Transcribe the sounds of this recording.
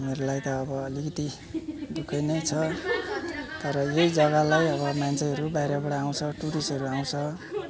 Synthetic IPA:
umeɾulajt̪ʌːbʌːlikʌt̪i | d̪ukʰʌjnʌjt͡sʰʌ | t̪ʌɾʌjejd͡zʌɣalajʌβʌmant͡sʰʌjɦʌɾubajɾabaɽaːw̃t͡sʰʌʈuɾisʌɾuaw̃t͡sʰʌ

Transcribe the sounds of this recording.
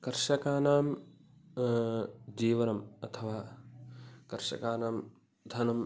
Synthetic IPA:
kɐɾʃɐkaːnaːm | d͡ʒiːʋɐnɐmɐt̪ʰɐʋaː | kɐɾʃɐ̰kaːnaːm | d̪ʱɐnɐm

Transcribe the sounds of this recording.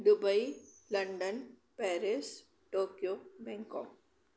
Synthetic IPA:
ɖʊbɐilɐɳɖən | pɛːɾɪs | ʈoːkjobɛ̃ŋkɔ̰ːp̚

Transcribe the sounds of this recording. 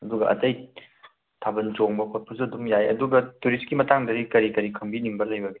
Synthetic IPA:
ɐduɡɐʔɐ̰tɐj | tʰabɐnt͡ʃoŋbɐkʰot̚pʰɐs̬uɐdumjajɐ̰duɡɐtuɾiskimɐtaŋdɐɾikɐɾikɐɾikʰɐmbiniŋbɐlɐjbɐɡe

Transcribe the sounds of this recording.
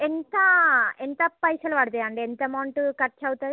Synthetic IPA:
ɛnd̪aɛnd̪ɐpɐɪsɐlʋaːɽt̪ːɐjaːɳɖɯɛnd̪ɐɐmɐːɳʈɯkɐʈ̚t͡ʃɐʋt̪ːɐ

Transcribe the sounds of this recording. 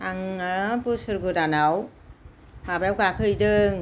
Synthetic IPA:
aŋapɯsɯɾɡɯdanaw | abajawkakʰɯjdɯŋ

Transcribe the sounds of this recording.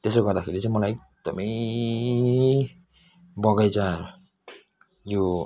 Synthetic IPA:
t̪esoɡʌrd̪akʰeɾit͡sajmʌlajek̚ | d̪̥ʌ̰mʌj | bʌɡajt͡saɾʌ | jo

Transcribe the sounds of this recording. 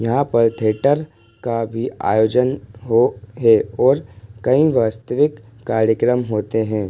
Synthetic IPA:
jɐɦãpɐɾt̪ʰeːʈəɾ | kabʱia̰ːjoːd͡ʒənɦoɦɛɔːɾkɐĩʋaːst̪əʋɪkː | aːɾjəkɾəmɦoːt̪eɦɛ̃ː

